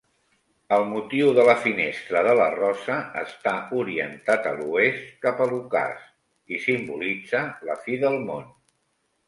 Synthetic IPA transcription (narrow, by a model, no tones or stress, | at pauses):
əlˠmut̪iwðələfinest̪ɾəðələ̰rɔsəə̰st̪auɾiənt̪at̪ə̰luest̪̚kapəluka̰s | isimbulid͡zələfiðəlˠmon